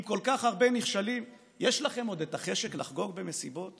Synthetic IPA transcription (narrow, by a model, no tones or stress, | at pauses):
mko̞lkaχaʁbe̞miχʃalim | jeʃlaχe̞mo̞d̪et̪aχe̞ʃe̞klaχɡo̞ɡ̚be̞me̞sibo̞t